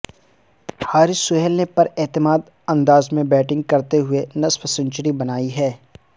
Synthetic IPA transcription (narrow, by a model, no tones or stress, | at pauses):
haːɾɪsʊɦɛlnepɐɾɛːt̪ɪmaːd̪ | ɐ̃nd̪aːzmẽbɛːʈɪ̃ŋɡ̚kɐɾt̪eɦʊenɐsfsə̃ɲt͡ʃəɾibɐnaːiɦɛː